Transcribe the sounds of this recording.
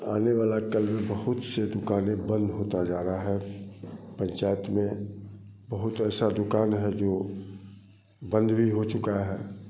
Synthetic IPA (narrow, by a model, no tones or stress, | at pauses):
aːneʋaːlakəlmẽbəɦʊt̪sed̪ʊkaːnẽbə̃nd̪ɦoːt̪ad͡ʒaːɾaɦɛ | pə̃ɲt͡ʃaːjət̪mẽ | bəɦʊt̪ɛːsad̪ʊkaːnɦɛd͡ʒoː | bə̃nd̪ʱbʱiɦot͡ʃʊkaɦɛː